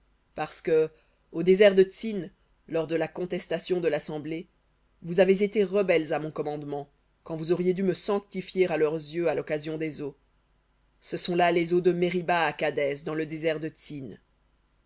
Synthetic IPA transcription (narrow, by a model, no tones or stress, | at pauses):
paʁsə̥kə | od̪ezɛʁd̪əsin | lɔʁd̪əlakɔ̃t̪ɛst̪asjɔ̃d̪əlasɑ̃ble | vuzavezet̪eʁəbɛlzamɔ̃kɔmɑ̃d̪mɑ̃ | kɑ̃vuzɔʁjed̪yməsɑ̃k̚t̪ifjeʁalœʁzjøalɔkazjɔ̃d̪ezo | səsɔ̃lalezod̪əmeʁibaːkad̪ɛzd̪ɑ̃ləd̪ezɛʁd̪ət̪sin